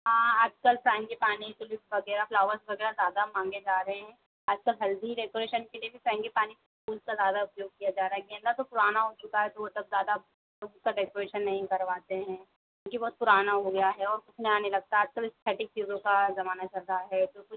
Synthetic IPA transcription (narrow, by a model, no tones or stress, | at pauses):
ɦãːaːd͡ʒkɐlpɾɛ̃ːŋɡipaːnit̪oliʋɐɡɛːɾaflaːʋəɾsʋɐɡɛːɾazjaːd̪amãːŋɡed͡ʒaːɾɐɦeɦɛ̃ː | aːd͡ʒkɐlɦɐld̪iɖeːkoːɾeːʃənkeliebʱipɾɛ̃ːŋɡipaːnikspuːlzkazjaːd̪aʊpjoːɡ̚kijad͡ʒaːɾaːɦɛɡɛ̃ːnd̪at̪opʊɾaːnaɦot͡ʃʊkaɦɛt̪oʋot̪ɐb̚zjaːd̪a | skaɖeːkoːɾeːʃənːɐɦĩkɐɾʋaːt̪eɦɛ̃ː | kkjũːkibɔːt̪̚pʊɾaːnaɦoɡɐjaɦɛɔːɾkʊt͡ʃʰnɐjaːnelɐɡ̚t̪aaːd͡ʒkɐlɪst̪ʰɛːʈɪk̚t͡ʃiːzõkazɐmaːnat͡ʃɐɾɾaɦɛt̪okʊt͡ʃ